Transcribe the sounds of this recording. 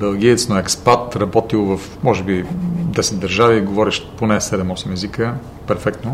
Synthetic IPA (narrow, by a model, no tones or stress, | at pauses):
bɛlˠɡ̟iɛt̪snoɛkspat̪ɾɐbɔt̪ilˠvɐfmɔʒɛbid̪ɛsɛt̪̚d̪əɾʒaviɡovɔɾiʃponɛsɛd̪ɛmɔsimɛzikə | pɛɾfɛk̚t̪no